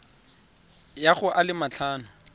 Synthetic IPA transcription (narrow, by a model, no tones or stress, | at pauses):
jaχʊʔalɪmat͡ɬʰaːnʊ